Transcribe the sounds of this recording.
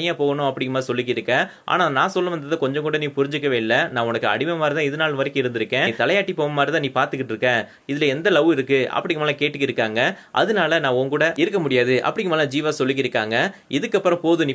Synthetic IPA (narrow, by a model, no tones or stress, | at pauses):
ɪjaːpoːɣɐnʊ̃ɐpːɐɽɪŋɡɯmaːɾsɔlːɪkːɪɾɯkːɐ̃ʔa̰ːnaːnãːsɔlːɐʋɐnd̪ɐðɐkɔɲd͡ʒɐ̃kuːɽɐniːpʊɾɪɲd͡ʒɯkːɐʋeːlɐnãːʊnɐkːɯɐ̰ɽɪmɐmaːɾit̪ãːɪðɯnaːlʋɐɾɪkːɯɪɾɯnd̪ɪɾɯkːẽːt̪ɐlɐjaːʈːipoːʋɐmaːɾit̪ãːniːpaːɾt̪ɯk̬ːɪʈːɪɾɯkːẽː | ɪðɪlɐɛnd̪ɐlɐʋɯɪɾɯkːɯʔɐ̰pːɐɽɪŋɯmnaːlɐkeːʈːɯkːɪɾɯkːaːŋɡɐ | ʔɐ̰ðɯnaːlɐnãːɔkuːɽɐɪɾɯkːɐmʊɽɪjaːðɯʔɐ̰pːɐɽɪŋɡɯmaːlɐ̃ːd͡ʒiːʋaːsɔlːɪk̬ːɪɾɯkːaːŋɡɐʔɪðɯkːɐpːɯɾɐ̃poːðɯniː